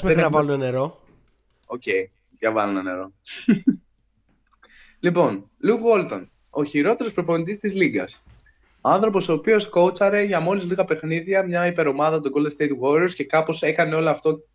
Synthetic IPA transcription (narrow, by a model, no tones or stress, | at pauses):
smeenɐvɐluneneɾo̞ | oce̞j | ðʝɐvɐlunɐne̞̰ɾo̞ | lipo̞n | lukɣo̞lt̪o̞̰n | o̞çiɾo̞t̪e̞ɾo̞spɾo̞ponit̪ist̪izliɡɐ̰s | oɐnθɾo̞po̞so̞ːpio̞sko̞t͡sɐɾe̞ʝɐmo̞lizliɣɐpe̞xniðʝɐmɲɐipe̞ɾo̞mɐðɐt̪oɡo̞ld̪st̪ejt̪ɣoɾioɾsce̞kɐpo̞se̞kɐne̞o̞loɐft̪o̞